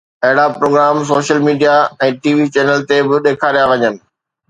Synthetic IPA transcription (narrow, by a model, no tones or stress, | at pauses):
ɐɦɪɽapɾoːɡɾaːms̬oːʃəlmiːɖijaɛ̃ːʈiːʋit͡ɕɛːnəlt̪ebɪɗeːkʰaːɾijaʋɐɲənɪ̆